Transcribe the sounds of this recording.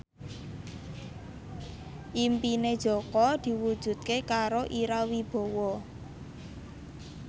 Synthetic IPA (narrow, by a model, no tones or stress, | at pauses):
ʔimpined̥ʒ̥ɔ̤kɔd̪̥i̤wud̥ʒ̥ṳd̪̥̚kekaɾoʔiɾawib̥ɔ̤wɔ